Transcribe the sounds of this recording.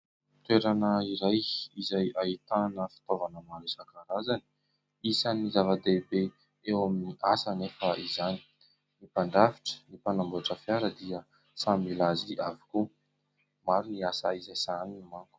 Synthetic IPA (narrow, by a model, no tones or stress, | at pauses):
t̪weɾanəiɾajizajait̪anəfi̥t̪ovanəmaɾusakaɾazani̥ | isanizavad̪ebe | ewaminiʔasanefaʔizani̥ | nipaɳɖ͡ʐavi̥ʈ͡ʂə̥nipanambuaʈ͡ʂəfjaɾəd̪iə | samilaziʔavi̥ku | maɾiniasaizajsaninimaŋɡə̥